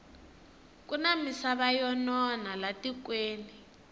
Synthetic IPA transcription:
k̬ʼunamisaβajɔnɔnalatʼik̬weːni

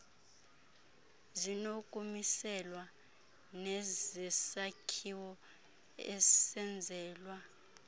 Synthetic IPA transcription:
zinokʼumisɛlwa | nɛzɛsakʰiwɔ | ɛsɛnd͡zʱɛːlwa

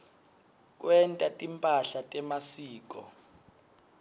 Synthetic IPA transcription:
k̬ʼwɛntʼatʼimpʼaɬatʼɛmasiːk̬ʼɔ̰

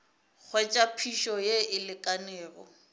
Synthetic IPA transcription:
k͡xʰwɛt͡ʃʼapʰiʃɔjeɪlɪkʼaneːrɔ̰

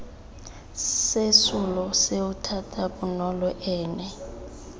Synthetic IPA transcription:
sesulɔseutʰatʰʼaɓunɔlɔʔɛːnɛ

